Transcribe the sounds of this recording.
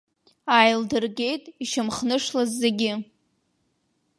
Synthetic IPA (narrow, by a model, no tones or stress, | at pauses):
ajldɨrɡʲe̞jtʼiʃamχnɨʂlazːeɡʲɪ